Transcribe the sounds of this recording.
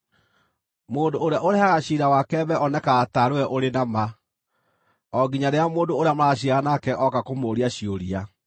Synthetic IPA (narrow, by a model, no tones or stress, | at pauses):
moːndoːɾeaʔoɾehaɣaɕiɾawakɛβɛʔɔnɛkaːtaɾoɛʔoɾenama | ɔɡiɲaɾeamoːndooɾeamaɕiaɣanakɛʔɔkakomoːɾiaɕioɾia